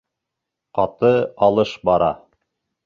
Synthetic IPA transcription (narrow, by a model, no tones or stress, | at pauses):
qɑt̪ɤɑlˠɤʃbɑɾɑ̰